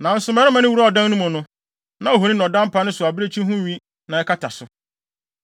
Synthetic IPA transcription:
nã˨n̩˦sʊ˨˦mɛ˦ɾɛ˦mã˨˦nɪ̃˦wu˦ɾa˦ɔ˨dã˦n˦ʊ̃˦mʊ̃˨nʊ̃˦ | nã˨o˨ɦo˨nĩ˦nɔ̃˨dã˦m˦pʰa˦nɪ̃˦sʊ˨a˨bɪ˦ɾe˦t͡ɕʰĩ˦ɦʊ̃˦˨ɥĩ˦ | nã˨ɛ˦kʰa˦tʰa˨sʊ˨

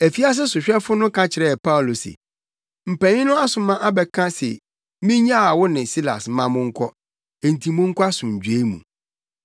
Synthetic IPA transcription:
æ˨fi˦a˦s̬ɪ˦sʊ˨ɕᶣɛ˦fʊ˦nʊ̃˦kʰã˦t͡ɕʰɪ˨ɾɛ˦˨pʰa˦ʊ˨lo˨sḛ˨ | m̩˨pæ̃˨ɲɪ̃˦nʊ̃˦a˦sʊ˨mã˦ʔa˦bɛ˨kʰã˦sɛ̰˨ | mĩ˦ɲã˦a˨wʊ˦nɪ̃˨si˦la̰˨smã˦mʊ̃˦ŋ̩˦kʰɔ˦ | e˨n̩˨tʰĩ˨mʊ̃˦ŋ̩˦kʰʷɔ˦a˦sʊ̃˨ɲ̩˨d͡ʑᶣe˦mṵ̃˨

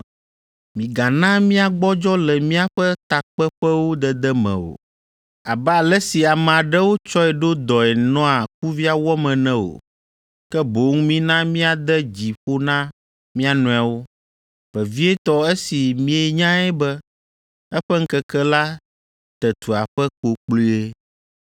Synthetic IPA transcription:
mĩ˨ɡa˨nã˦mĩ˦a˨ɡ͡bɔ˦d͡ʒɔ˦lɛ˨mĩ˦a˨ɸɛ˦t̪a˨k͡pɛ˦ɸɛ˦wo˦d̪ɛ˨d̪ɛ˦mɛ̰̃˨o̰˨ | a˨bɛ˦a˨lɛ˦si˨a˨mɛ̃˨a˨ɖɛ˦wo˦t͡ʃɔ˦ɛ˨ɖo˦d̪ɔ˨ɛ˨nɔ̃˦a˨k̚u˦vi˦a˦wɔ˦mɛ̃˨nɛ̃˦o̰˨ | kɛ˦bo˨˦ŋ˦mĩ˦nã˦mĩ˦a˨d̪ɛ˦d͡ʑi˨ɸo˦nã˦ | mĩ˦a˨nũ˦a˨wo˦ | ɸɛ˨vi˦ɛ˦t̪ɔ˦ɛ˦si˨mĩ˦e˨ɲã˦ɛ˦bɛ˦ | ɛ˦ɸɛ˦ŋ̩˦kɛ˦kɛ˦la˦ | t̪ɛ˨t̪ʰu˨a˨ɸɛ˦ko˨k͡pli˦e˦

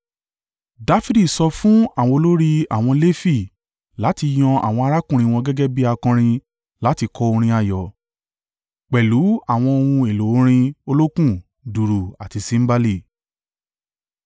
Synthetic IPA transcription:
da˧fi˦di˦˨sɔ˧fũ˦a˦˨w̃ɔ̃˧o˧lo˦ɾi˦a̰˦˨w̃ɔ̃˧le˦fi˦˨ | la˨˦ti˧j̃ɔ̃˧a̰˨w̃ɔ̃˧a˧ɾa˦kũ˦˨ɾ̃ĩ˧w̃ɔ̃˧ɡɛ˦ɡɛ˦bi˦a˧kã˧ɾ̃ĩ˧ | la˨˦ti˧kʰɔ˧˦o˧ɾ̃ĩ˧a˨jɔ˨ | k͡pɛ˨lu˨˦a˦˨w̃ɔ̃˧o˧hũ˧e˨lo˨˦ɾ̃ĩ˧o˧lo˦kũ˦˨ | du˨ɾu˨a˨ti˧sĩ˨˦m̩˦ba˦˧li˦˨

